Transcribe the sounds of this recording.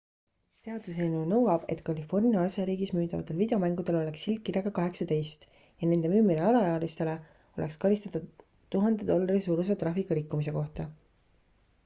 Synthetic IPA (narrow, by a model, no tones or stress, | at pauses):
se̞ɑd̪̥useːlnunɤwɑb̥e̞̰t̪ːˑkɑlifo̞rniɑɑseɾiːɡismyːd̪ɑvɑ̰t̪ːˑe̞lvid̪eomæŋɡ̥ud̪̥e̞lo̞le̞kshilt̪̚kːirjɑɡ̥ɑkɑɦe̞ksɑt̪e̞jst̪ | jɑne̞nd̪̥e̞myːmːineɑlɑjɑːlist̪e̞le̞ | o̞lʔe̞kskɑɾist̪ɑt̪ɑ | t̪uɦɑnd̪̥ed̪̥o̞lːɑɾisuːɾus̬et̪rɑfikːˑuɾikːumise̞ko̞ht̪ɑ